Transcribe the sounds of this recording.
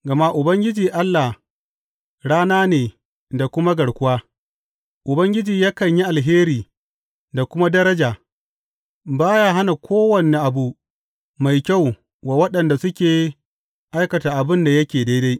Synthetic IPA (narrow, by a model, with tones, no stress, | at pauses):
ɡɐ˨ma˦ʔʊ˨bɐ˦ŋɡʲɪ˦d͡ʒiː˨ʔa˦lːa˨h | ɽaː˦naː˦neː˨ | da˨kʷʊ˦ma˦ɡɐ˨ɽkʷʊ˦waː˦ | ʔʊ˨bɐ˦ŋɡʲɪ˦d͡ʒiː˨jaː˦kɐ˨ɲji˦ʔa˨lɦeː˦ɾiː˨ | da˨kʷʊ˦ma˦dɐ˦ɾɐ˦d͡ʒaː˨ | baː˦jaː˦ɦa˦na˨kʷʰoː˦wɐ˨ne˨ʔa˨bu˦ʔ | ma˨jkʲa˦˨w | wa˨wɐ˦ɗɐ˨nda˨sʊ˦kʲeː˨ | ʔa˦jkɐ˨taː˨ʔa˨bɪ˦nda˨jɐ˦kʲeː˨da˦jda˦j